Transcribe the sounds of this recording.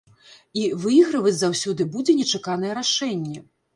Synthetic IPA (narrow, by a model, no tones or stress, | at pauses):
ivɨjɣɾɐvɐt͡sʲzawsʲɔd̪ɨbud͡zʲɛnʲɛt͡ʂakanɐjɛɾaʂɛnʲːɛ